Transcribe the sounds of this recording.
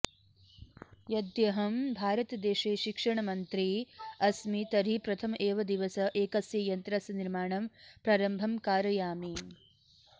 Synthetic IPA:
jɐd̪jɐɦɐmbʱaːɾɐt̪ɐd̪eːʃeːʃikʂɐɳɐmɐnt̪ɾiɐsmit̪ɐɾipɾɐt̪ʰɐmʔeːʋɐd̪iʋɐsɐʔeːkɐsjɐjɐnt̪ɾɐsɐniɾmaːɳɐmpɾaːɾɐmbʱɐmkaːɾɐjaːmi

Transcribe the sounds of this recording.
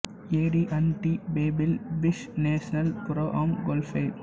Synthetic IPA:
eːɖiʔɐnʈibeːbɪlʋɪʃneːʃɐnɐlkʊɾoːʔaːmɡoːlfeɪ

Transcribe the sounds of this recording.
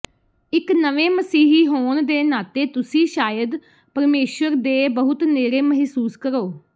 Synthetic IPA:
ɪknəʋeːməsiːɦiːɦoːnd̪eːnaːt̪eːt̪ʊsĩːʃaːjəd̪ | pəɾmeːʃəɾd̪eːbəɦʊt̪neːɾeːməɦsuːskəɾoː

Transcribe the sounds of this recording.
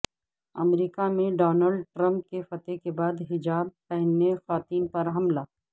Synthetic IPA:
ɐ̰mɾiːkamẽɖɔːnəlɖʈɾɐ̃mp̚kefɐt̪ekebaːd̪ɦɪd͡ʒaːb̚tɛɦnːexaːt̪iːnpɐɾɦɐmlaː

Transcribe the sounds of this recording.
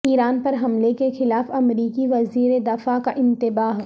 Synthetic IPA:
iːɾaːnpɐɾɦɐmlekexɪlaːfɐmɾiːkiʋɐziːɾed̪ɐfakaʔɪ̃nt̪ɪbaːɦ

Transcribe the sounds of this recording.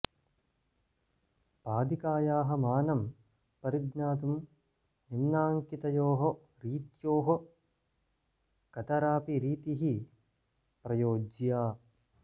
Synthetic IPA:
paːd̪ikaːjaːɦɐmaːnɐm | pɐɾiɡnaːt̪̬um | nimnaːŋkit̪ɐjoːɦɐ | ɾiːt̪joːɦɐ | kɐt̪ɐɾaːpiɾiːt̪iɦi | pɾɐjoːd͡ʒjaː

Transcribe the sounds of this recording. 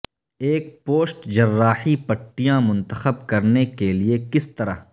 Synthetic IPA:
eːk̚poːsʈd͡ʒɐrːaːħipɐʈːijãmʊ̃nt̪əxəb̚kɐɾnekeliekɪst̪ɐɾa̰

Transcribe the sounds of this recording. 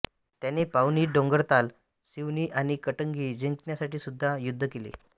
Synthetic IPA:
t̪janepawniːɖõŋɡəɾt̪al | siʋniːʔañikəʈəŋɡiːd͡ʑeŋknjasaʈiːsud̪ʱːajud̪ʱːəkelḛ

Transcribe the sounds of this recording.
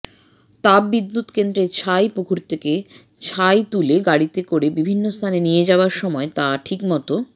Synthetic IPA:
t̪abbid̪ːut̪kend̪ɾet͡ɕʰajpukʰuɾt̪ʰeke | t͡ɕʰajt̪uleɡaɽit̪ekoɾebibʱinːost̪ʰanenijed͡ʑaoaɾʃɔmɔet̪aʈʰikmɔt̪o

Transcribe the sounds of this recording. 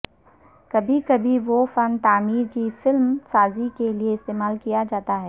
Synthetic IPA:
kɐbʱikɐbʱiʋofɐnt̪aːmiːɾkifɪlmsaːzikelieɪst̪eːmaːlkijad͡ʒaːt̪aɦɛː

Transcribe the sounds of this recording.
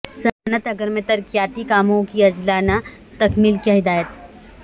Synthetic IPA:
sɐanət̪ɐɡəɾmẽt̪ɐɾkijaːt̪ikaːmõkiɐd͡ʒlaːna | t̪ɐkmiːlkjaɦɪd̪aːjət̪

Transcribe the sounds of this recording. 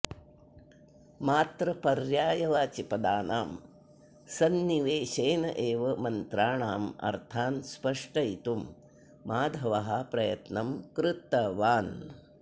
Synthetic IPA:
maːt̪ɾɐpɐɾjaːjɐʋaːt͡ʃipɐd̪aːnaːm | sɐnːiʋeːʃeːnɐ̰ʔeːʋɐmɐnt̪ɾaːɳaːmɐ̰ɾt̪ʰaːnspɐʂʈɐit̪umː | aːd̪ʱɐʋɐɦɐpɾɐjɐt̪nɐmkɾɪt̪ːɐʋaːn

